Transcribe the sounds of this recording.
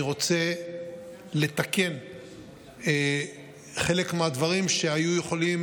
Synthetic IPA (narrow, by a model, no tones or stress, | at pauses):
iʁo̞t͡se̞ | le̞t̪ake̞n | e | χe̞le̞kmead̪vaʁimʃe̞ajuje̞χo̞lim